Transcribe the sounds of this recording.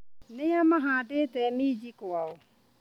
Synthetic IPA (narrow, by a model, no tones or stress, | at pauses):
nɪjamaɦaadɪtɛmid͡ʒikʊaʊ